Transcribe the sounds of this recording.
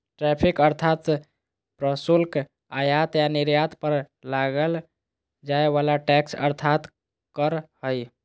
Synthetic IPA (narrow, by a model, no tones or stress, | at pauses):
ʈɾɛpʰikəɾt̪ʰat̪ | pɾəsulk | ajat̪janiɾjat̪pəɾ | laɡəl | d͡ʒaeβalaʈɛksə̰ɾt̪ʰat̪ | kəɾhəj